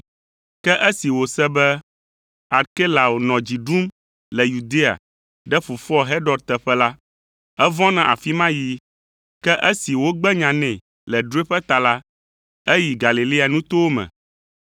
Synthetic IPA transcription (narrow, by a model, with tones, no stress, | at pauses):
kɛ˦ʔɛ˦si˨wo˨sɛ˦bɛ˦ | a˨ɾke˦la˨wo˨nɔ̃˨d͡ʑi˨ɖu˦m | lɛ˨ju˨d̪e˦a̰˨ | ɖɛ˦fu˨fɔ˦ɦɛ˦ɖɔ˨ɖt̪ɛ˨ɸɛ˦la˦ | ɛ˦vɔ̃˦nã˦ʔa̰˨fi˦mã˦ji˦ | kɛ˦ʔɛ˦si˨wo˦ɡ͡bɛ˦ɲã˨nɛ̃˨ | lɛ˨ɖu˦e˦ɸɛ˦t̪a˨la˦ | ɛ˦ji˨ɡa˨li˨li˦a˨nũ˦t̪o˦wo˦mɛ̰̃˨